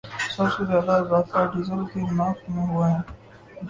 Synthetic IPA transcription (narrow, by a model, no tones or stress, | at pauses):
sɐbsezjaːd̪azaːst̪aɖɪzəɾʈinaːkmẽɦʊaɦɛː